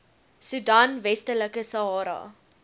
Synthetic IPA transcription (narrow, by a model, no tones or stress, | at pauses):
sudɑːnvɛstələkəsɐɦɑːɾɐ̰